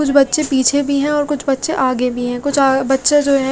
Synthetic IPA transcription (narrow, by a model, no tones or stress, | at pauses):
kʊt͡ʃʰbɐtːʃepiːt͡ʃʰebʱiɦɛ̃ɔːɾkʊt͡ʃʰbɐtːʃeʔaːɡebʱiɦɛ̃ːkʊt͡ʃʰabɐtːʃed͡ʒoːɦɛ̃